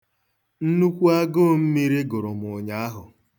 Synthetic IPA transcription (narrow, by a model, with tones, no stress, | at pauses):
n̩˦nu˦kʷu˦a˦ɡoː˦m̩˦me˦ɾe˦ɡʊ˨ɾʊ˨m̩˨ʊ˨ɲa˨˦a˦ɦʊ˨